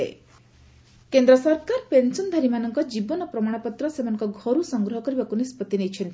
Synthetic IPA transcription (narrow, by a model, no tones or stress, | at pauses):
ḛ | kend̪ɾɔsɔɾkaɾpensɔnd̪ʱaɾimanɔŋkɔd͡ʒibɔnɔpɾɔmaɽ̃ɔpɔt̪ɾɔsemanɔ̃ŋkɔɡʱɔɾusɔŋɡɾɔɦɔkɔɾibakunispɔt̪inejt͡ʃʰent̪ʰi